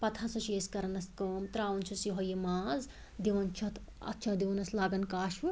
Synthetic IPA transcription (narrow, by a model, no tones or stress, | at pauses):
pɐt̪ʰasɐt͡ʃʰeskɐɾɐnɐskəːmt̪ɾaːwunt͡ʃʰusiɦɐjimaːz | d̪iʋɐnt͡ʃʰɐt̪ʰ | ɐ̰t̪ːʃʰɐd̪eʋɐnɐslaːɡɐnkaːʃʋɨ